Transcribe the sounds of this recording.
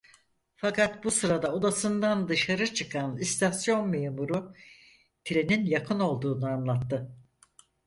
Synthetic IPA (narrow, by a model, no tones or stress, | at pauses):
fakʰat̪busɯɾad̪ao̞d̪asɯnd̪and̪ɯʃaɾɯt͡ʃʰɯkʰanist̪ʰasjo̞nme̞ːmuɾu | t̪ʰiɾe̞ninjakʰɯno̞lˠd̪uːnɯanlˠat̪ːɯ